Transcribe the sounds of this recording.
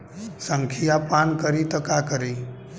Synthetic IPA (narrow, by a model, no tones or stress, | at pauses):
sə̃ŋkʰijapankəɾit̪ɔkakəɾi